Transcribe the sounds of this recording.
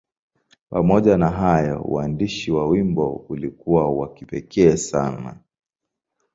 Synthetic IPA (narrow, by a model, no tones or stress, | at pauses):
pamɔʄanaɦajɔ̰ṵwandiʃiwawimbɔulikuwawakipɛkʰɛːsana̰